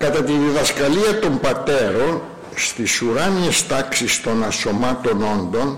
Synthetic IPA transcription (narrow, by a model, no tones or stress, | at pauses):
kɐt̪ɐt̪iðiðɐskɐliɐt̪o̞mbɐt̪e̞ɾo̞n | st̪isuɾɐniest̪ɐksist̪o̞nɐso̞mɐt̪o̞no̞nd̪o̞n